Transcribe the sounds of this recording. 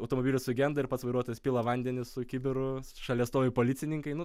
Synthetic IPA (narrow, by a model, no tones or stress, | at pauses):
ɐʊt̪oːmoːbʲiːlʲʊssʊɡʲɛnd̪ɐɪɾpɐt̪sʋɐɪɾuɔt̪oːjɛspʲiːlˠɐʋɐnʲd̪ʲɛnʲɪssʊkʲibʲɪɾʊʃɐlʲiɛst̪oːʋʲɪpoːlʲɪt̪t͡s̪ʲɪnʲɪŋkɐɪnʊ